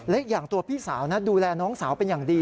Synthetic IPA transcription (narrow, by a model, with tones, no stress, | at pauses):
lɛ˦˥k̚jaː˨˩ŋt̪u˧ɐpʰiː˥˩saː˩˦wnaː˦˥duː˧lɛː˧nɔː˦˥ŋsaː˩˦wpe˧njaː˨˩ŋdiː˧